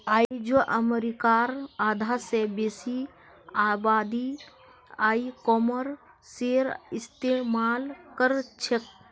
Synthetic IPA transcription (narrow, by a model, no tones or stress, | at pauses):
aːd͡ʒoʔəmeɾikaːɾaːd̪ʱasebesi | aːbaːd̪i | aːikɔməɾ | seɾist̪emaːlkəɾt͡ʃʰek̚